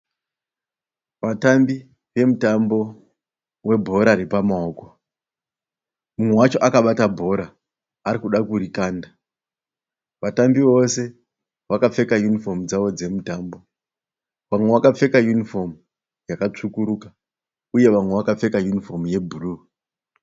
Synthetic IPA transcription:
ʋatambi | ʋe̞mutambo̞ | we̞bʱo̞ɾaɾipamaoːko̞ | mumwe̞wat͡ʃo̞ʔakaɓatabʱo̞ɾaː | ɾikuɗakurikaːnda | ʋatambiʋo̞se̞ | ʋakap͡fe̞kajunifo̞mud͡zaʋo̞d͡ze̞mutaːmbo̞ | ʋamwe̞ʋakap͡fe̞kajunifo̞mu | jakat͡ʂukuɾuka | uje̞ʋamwe̞ʋakap͡fe̞kajunifo̞muje̞bʱuruː

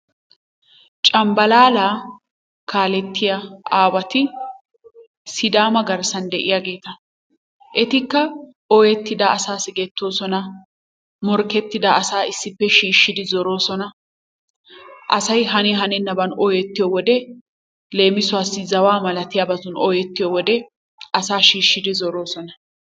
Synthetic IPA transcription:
t͡ʃʼɐmbɐlaːlaː | kaːlɛt̪ːɪjɐaːwɐt̪ɪ | sɪd̪aːmɐɡɐɾsɐnd̪ɛʔɪjaːɡe̞ːt̪ɐ | ʔɛt̪ɪkːɐ | ʔɔjɛt̪ːɪd̪ɐʔɐsaːsɪɡɛt̪ːo̞ːsɔnɐ | mɔɾkɛt̪ːɪd̪ɐːsaːɪsːɪpːɛʃiːʃːɪd̪ɪzɔɾo̞ːsɔnɐ | ʔɐ̰sɐjɦɐnɛɦɐnɛnːɐbɐnɔjɛt̪ːɪjɔwɔd̪ɛ | le̞ːmɪsʊwaːsːɪzɐwaːmɐlɐt̪ɪjabɐzʊnɔjɛt̪ːɪjɔwɔd̪ɛ | ɐsaːʃiːʃːɪd̪ɪzɔɾo̞ːsɔnɐ

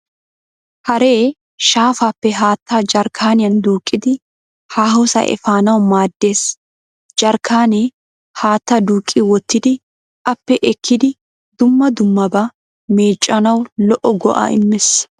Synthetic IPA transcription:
hɐɾe̞ː | ʃaːfaːpːɛɦaːt̪ʰːaːd͡ʒɐɾkʰaːnɪjɐnd̪uːkʼːɪd̪ɪ | haːɦɔsɐ̰ʔɛ̰faːnɐwmaːd̪ːe̞ːs | d͡ʒɐɾkʰaːneː | haːt̪ːad̪uːkʼːiwɔt̪ːɪd̪ɪ | ʔɐpːɛʔɛkʰːɪd̪ɪ | d̪̥ʊmːɐd̪ʊmːɐbɐ | meːt͡ʃʼːɐnɐwlɔʔɔɡɔ̰ʔa̰ːɪmːɪs

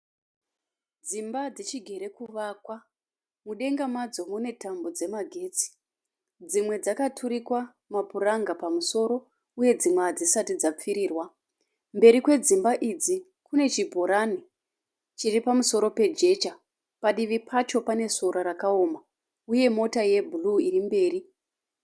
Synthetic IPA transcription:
d͡zimbad͡zet͡ʃiɡʱe̞ɾe̞kuʋakwa | muɗe̞ŋɡamad͡zo̞mune̞tambo̞d͡ze̞maɡʱe̞ːt͡si̥ | d͡zimwe̞d͡zakatʰuɾikwa | mapuraŋɡapamuso̞ɾo̞ | uje̞d͡zimweɦad͡zisatid͡zap͡fiɾiːrwa | mbe̞ɾikwe̞d͡zimbaʔid͡zi | kune̞t͡ʃibʱo̞ɾani | t͡ʃiripamuso̞ɾo̞pe̞d͡ʒe̞t͡ʃa | paɗiʋipʰat͡ʃo̞pane̞soɾaɾakao̞ma | uje̞mo̞taje̞bʱuluirimbe̞ːri

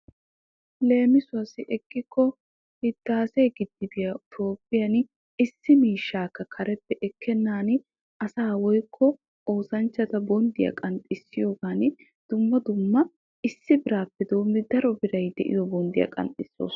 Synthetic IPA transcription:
le̞ːmɪsʊɐsɪʔɛɡːɪkʰːɔ | hɪt̪ːaːsejɡɪd̪ːɪbɪjɐt̪ʰo̞ːpʼːɪjɐn | ɪsːɪmiːʃːaːkːɐkʰɐɾɛpːɛʔɛkːɛnːaːn | ɐsaːwɔjkʰːɔ | ʔo̞ːsɐnt͡ʃːɐt̪ɐbɔnd̪ɪjɐ̰kʼɐnt̪ʼɪsːɪjo̞ːɡaːn | d̪̥ʊmːɐd̪ʊmːɐ | ɪsːɪbɪɾaːpːɛd̪o̞ːmːɪd̪ɐɾɔbɪɾɐjd̪ɛ̰ʔɪ̰jɔbɔnd̪ɪjɐ̰kʼɐ̰nt̪ʼɪsːo̰ːs

